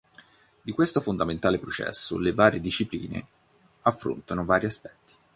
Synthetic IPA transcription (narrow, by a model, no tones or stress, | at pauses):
d̪ikwest̪ofond̪ament̪aːlepɾot͡ʃɛ̰sːo̰levaːɾed̪iʃːiplḭːnḛ | afːɾo̰nt̪anovaːɾiaspɛ̥t̪ːi̥